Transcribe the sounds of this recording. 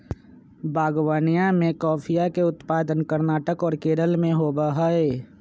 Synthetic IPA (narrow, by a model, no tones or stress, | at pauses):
bʱaːɡwaːnijãmẽkɔːpʰijakeʊt̪paːd̪ənkəɾnaːʈəkɔːɾkeːɾəlmẽɦoːbaɦae